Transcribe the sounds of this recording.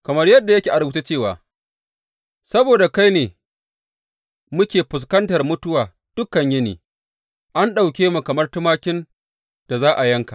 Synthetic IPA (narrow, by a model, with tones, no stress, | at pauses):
kɐ˨mɐ˦rjɐ˦dːa˨jɐ˦kʲeː˨ʔa˨ɾbu˦t͡ʃe˦t͡ʃeː˦˨wa̰ː˨ | sɐ˦boː˨da˨ka˦jneː˨ | mʊ˦kʲeː˨ɸʊ˨s̬kɐ˦ntɐ˨rmʊ˦tʊ˦waː˨ | d̥ʊ˦kːɐ˨ɲjɐ˦nḭː˨ | ʔa˦nɗa˨wkʲeː˦mu˨kɐ˨mɐ˦rtʊ˦maː˦kʲɪ˦n | d̥a˨zaː˦ʔa˨jɐ˦ŋka˨ʔ